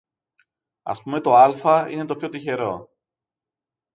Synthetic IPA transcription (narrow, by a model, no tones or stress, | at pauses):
ɐ̰spume̞t̪o̞ɐlfɐḭne̞t̪opço̞t̪içe̞ɾo̞